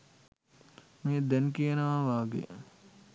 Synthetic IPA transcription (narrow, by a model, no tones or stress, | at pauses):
meːd̪ɛnkiənəʋaʋaːɡḛ